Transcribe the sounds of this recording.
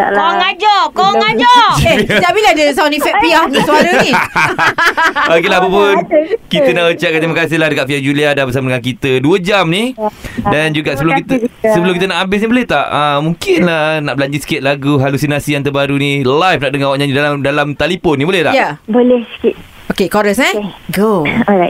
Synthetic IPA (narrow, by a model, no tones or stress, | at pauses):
a̰ŋad͡ʒɔkɔŋad͡ʒɔt̪abiladəsanifɛk̚piahsəaɾəni | okelaapapʊnkit̪ənaʔət͡ʃaʔ̚kat̪ɾimakas̬ɪhlahdəkaʔ̪̚fiad͡ʒuliadanbəsamadəŋankit̪əduəd͡ʒamnidand͡ʒuɡaʔsəbəlokit̪səbəlʊmkit̪ənaʔabɪs̬nibolɛht̪aʔəmũŋkɪnlahnaʔbəlaɲd͡ʒisi̥kɪt̪̚laɡuɦalusinasijaŋt̪ərbaɾunilajfnaʔdəŋawaʔɲãɲidalamdalamt̪alipɔnːibolɛhla̰jabolɛhskit̪̚ | okekoɾəsɛɡoɔa